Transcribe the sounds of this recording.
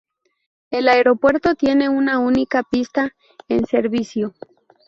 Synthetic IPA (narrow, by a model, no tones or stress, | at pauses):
e̞laeɾo̞pwe̞ɾt̪o̞t̪je̞ne̞unaunikapist̪a | ense̞ɾβisjo